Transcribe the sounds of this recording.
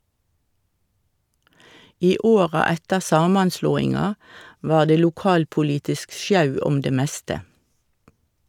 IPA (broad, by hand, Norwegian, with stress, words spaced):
ˈiː ˈoːʁɑ ˈɛtəʁ ˈsɑːmɑnˌsloːɪŋɑ ˈʋɑːʁ ˈdeː luːˈkɑːlpʊˌliːtɪsk ˈsjɑʉ ˈɔm ˈdeː ˈmɛstə